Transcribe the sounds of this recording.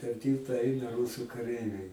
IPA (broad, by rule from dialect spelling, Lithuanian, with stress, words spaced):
pʲɛr ˈtʲiːlˠtɐ ˈɐɪnɐ ˈruːsʊ kɐˈrʲɛɪʋʲɛɪ